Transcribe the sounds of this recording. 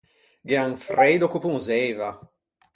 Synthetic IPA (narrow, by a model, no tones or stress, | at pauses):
ɡeaŋfɾeːd̪okupuŋzɛːva